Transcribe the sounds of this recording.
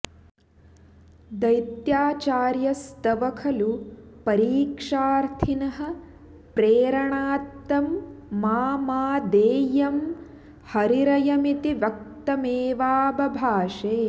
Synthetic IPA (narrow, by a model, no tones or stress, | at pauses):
d̪ɐjt̪jaːt͡ʃaːɾjɐst̪ɐʋɐkʰɐlupɐɾiːkʂaːɾt̪ʰinɐɦɐ̆ | pɾeːɾɐɳaːt̪ːɐmːaːmaːd̪eːjɐm | hɐɾiɾɐjɐmit̪iʋɐk̚t̪ɐmeːʋaːbɐbʱaːʂeː